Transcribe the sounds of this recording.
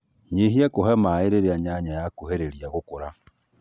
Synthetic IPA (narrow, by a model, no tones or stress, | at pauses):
ɲeɦiɛkoɦɛmaeɾeɾeaɲaɲajakohɛɾeɾiaɣokoɾa